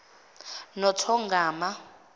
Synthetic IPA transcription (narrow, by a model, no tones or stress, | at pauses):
nɔtʰɔŋɡaːma